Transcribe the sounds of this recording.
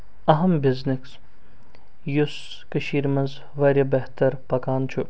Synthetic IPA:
ɐɦɐmbɪzniks | jus | kɐʃiːɾmɐnz | ʋɐɾʲɐbɐɦt̪ɐɾpɐkaːnt͡ʃʰu

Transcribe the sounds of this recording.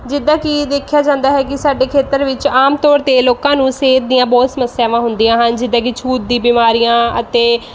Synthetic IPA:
d͡ʒɪd̪ːãːkid̪eːkʰːjaːd͡ʒãːnd̪aːɦɛːkɪsaːɖeːkʰeːt̪əɾʋɪt͡ʃaːmt̪ɔːɾt̪eːloːkãːnũːseːt̪̚d̪ɪjãːbɔːt̪səməsːɪjaːʋãːɦʊnd̪ijãːɦənd͡ʒɪd̪ãːk̬ɪt͡ʃʰuːt̪̚d̪ĩːbiːmaːɾijãːə̰t̪eː

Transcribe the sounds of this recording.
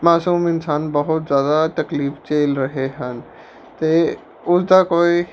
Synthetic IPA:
maːsuːmɪnsaːnbəɦʊt̪zjaːd̪at̪ɐkliːft͡ʃeːlɾɐɦeɦən | t̪e | ʊsd̪akoːi

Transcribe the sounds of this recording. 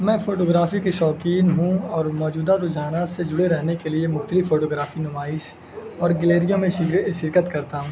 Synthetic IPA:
mɛ̃ːfoːʈoːɡɾaːfikeʃɔːkiːnɦũɔːɾmɔːd͡ʒuːd̪aɾʊd͡ʒaːnased͡ʒʊɽeɾɛɦnekeliemʊxt̪əlɪfːoːʈoːɡɾaːfinʊmaːɪʃ | ɔːɾɡɪleːɾijõmẽʃɪʃɪɾkət̪kɐɾt̪aɦũː

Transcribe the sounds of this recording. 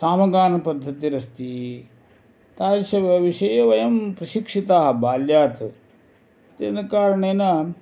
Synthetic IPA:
saːmɐɡaːnɐpɐd̪ʱːɐt̪iɾɐst̪i | t̪aːlʃɐʋɐʋiʃɐjɐʋɐjɐmpɾɐʃikʂit̪aːɦɐbaːljaːt̪ | t̪enɐkaːɾɐɳeːnɐ

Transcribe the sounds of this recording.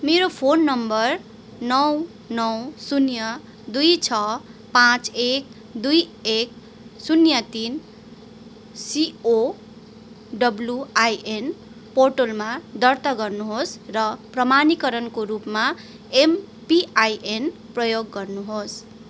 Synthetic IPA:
meɾopʰonːʌmbʌr | nʌw | nʌwsunjʌ | d̪ujt͡sʰʌpãt͡sek | d̪ujek̚ | sunjʌt̪in | sio | ɖʌbljuajʔen | porʈolmad̪ʌrt̪ʌɡʌrnuɦosrʌprʌmanikʌɾʌnkoɾupma | em | piʔajʔenprʌjoɡːʌrnuɦos

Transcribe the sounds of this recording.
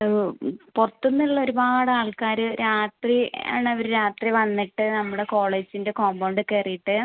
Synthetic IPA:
purɐt̪ːunːiɭːɐo̞ɾubaːɽɐaːɭkaːɾɨɾaːt̪ria̰ːɳɨɐʋɐɾuɾaːt̪riʋɐnːiʈːɨnɐmːuɽe̞ko̞ːɭeːd͡ʑinde̞kombɐːɳɖɨkerijiʈːɨ

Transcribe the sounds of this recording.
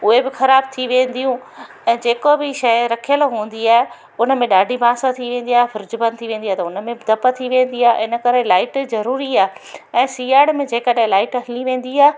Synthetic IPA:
ʊɦebɪxɐɾaːb̚t̪ʰiʋẽːnd̪ijũ | ɛ̃ːd͡ʑeːkobɪʃɐjɾɐkʰijəlɦũːn̆d̪iaːɦe | ʊnə̆mẽɗaːɖʱibʱãːsãt̪ʰiʋẽːn̆d̪iaːɦefʰʊɾd͡ʑbɐ̃nd̪t̪ʰiʋẽːnd̪ijaːt̪ɐʊnə̆mẽbɪd̪ɐpət̪ʰiʋẽːn̆d̪iaːʔɪnə̆kɐɾelaːɪʈzɐɾuːɾiaːɛ̃ːsiːaːɽmẽd͡ʑeːkəɗɦẽlaːɪʈəɦɪliʋẽːn̆d̪iaːe

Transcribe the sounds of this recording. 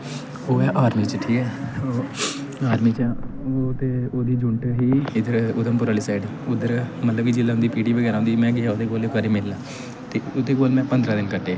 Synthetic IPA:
oːɛːʔaːɾmiːt͡ʃəʈʰiːkɛːoː | aːɾmiːt͡ʃːot̪eːoːd̪iːd͡ʒʊɳʈɦiːɪd̪əɾʊd̪əmpʊɾaːliːsaːiɖ | ʊd̪əɾmət̪ləb̚kid͡ʒɪlːaːɦʊ̃nd̪iːpiːʈiːbəɡɛːɾaːõnd̪iːmɛ̃ːɡɪaod̪eːɡoːlekəɾiːmɪlːaː | t̪eːʊd̪eːɡoːlmɛ̃ːpənd̪ɾaːd̪ɪnkəʈeː

